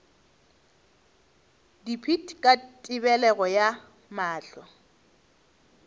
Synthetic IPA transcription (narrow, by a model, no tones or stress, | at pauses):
dipʰitʰʼkʼatʼɪβɛlɛɣɔja | maːɬɔ